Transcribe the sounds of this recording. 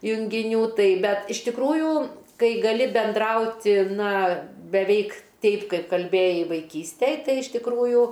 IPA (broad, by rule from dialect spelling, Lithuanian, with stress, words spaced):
jʊŋʲɡʲɪˈnʲuː ˈtɐɪ ˈbʲɛt ɪʃ tʲɪkˈruːjuː ˈkɐɪ ɡɐˈlʲɪ bʲɛnˈdrɐʊtʲɪ ˈnɐ bʲɛˈʋʲɛɪk ˈtʲɛɪp ˈkɐɪp kɐlʲˈbʲeːjɛɪ ʋɐɪˈkʲiːsʲtʲɛj ˈtɐɪ ɪʃ tʲɪkˈruːjuː